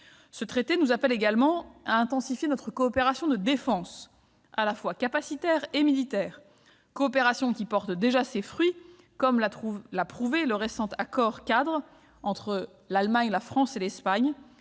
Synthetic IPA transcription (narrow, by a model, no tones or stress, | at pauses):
sət̪χet̪enuzapɛleɡalmɑ̃aɛ̃t̪ɑ̃sifjenɔt̪χəkɔːpeʁasjɔ̃d̪əd̪efɑ̃s | alafwakapasit̪ɛʁemilit̪ɛːʁ | kɔːpeʁasjɔ̃kʲipɔʁt̪d̪eʒasefχɥi | kɔmlaulapχuveləʁesɑ̃t̪akɔʁkad̪ʁ | ɑ̃t̪χə | lalmaɲlafχɑ̃selɛspaɲ